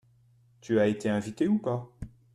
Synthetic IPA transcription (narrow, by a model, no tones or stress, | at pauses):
t̪yaet̪eɛ̃vit̪eupa